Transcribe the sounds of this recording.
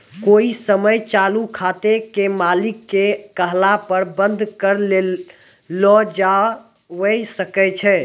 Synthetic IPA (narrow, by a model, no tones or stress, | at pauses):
koisəməjt͡ʃalukʰat̪ekemalikːekəɦlapəɾbə̃nd̪ʱkəɾ | lɔd͡ʒa | ʋəjsəkɛt͡ʃʰɛ